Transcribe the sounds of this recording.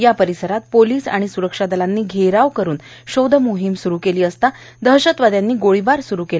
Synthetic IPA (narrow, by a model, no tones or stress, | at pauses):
japəɾisəɾat̪̚poliːsa̰ɽ̃isuɾəkʂad̪əlanːiːɡʱeɾaʋkəɾuːnɕowd̪ʱəmuɦimsuɾuːkeliːəst̪a | d̪ʱəɦɕət̪ʋad̪janːiːɡoɭibaɾsuɾukela